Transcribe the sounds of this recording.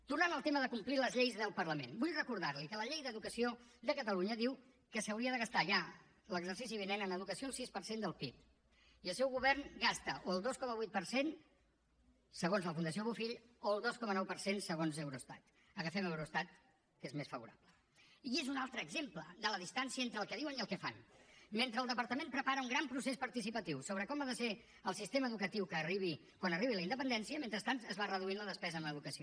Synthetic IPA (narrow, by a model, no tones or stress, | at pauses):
t̪uɾnanəlˠt̪eməðəkumpliləzʎejzðəlˠpərləmenbujrəkuɾðaɾlikələʎejðəðukəsiod̪əkət̪əluɲəðiw | kəsəwɾiəðəɣ̞əst̪aʒa | ləɡzəɾsis̬iβinɛnənəðukəsioːlˠsispəɾsend̪əlˠpip̪̚ | iəlˠsɛwɣuβɛɾnɡast̪əʔoəlˠd̪oskɔməβujt̪̚pəɾsen | səɣonzləfund̪əs̬ioβufiʎoəlˠd̪oskɔmənɔwpəɾsensəɣonzəwɾuəst̪at̪ | əɣəfɛmɛwɾuəst̪at̪̚ | kezmesfəβuɾaplə | iezunalˠt̪ɾəːɡzempləd̪ələðist̪ansiəent̪ɾəːlˠkɛðiwəniəlˠkɛfanment̪ɾəːlˠd̪əpəɾt̪əmenpɾəpaɾəuŋɡɾampɾusespəɾt̪isipət̪iwsoβ̞ɾəkɔmaðəse | əlˠsist̪eməːðukət̪iwkəːriβ̞i | kwanəriβiləinəpənd̪ɛnsiəmẽnt̪ɾəst̪ant̪əzβarəðuinləðəspɛzəːməðukəsio